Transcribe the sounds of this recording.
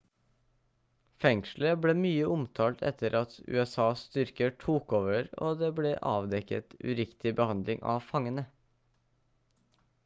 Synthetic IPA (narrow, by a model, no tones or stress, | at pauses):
fɛŋʃləbleːmyːəʔʊmt̪ʰɑːlt̪ʰɛ̰t̪ʰəɾʔɑt̪ʉ̰ːɛsɑːst̪ʏɾkəʈʰuːkoːʋəɾo̰ːd̪eːbleːʔɑ̰ːʋd̪ɛkə̰t̪ʉ̰ɾɪkt̪ɪbəhɑnd̪lɪŋʔɑ̰ʋfɑŋənə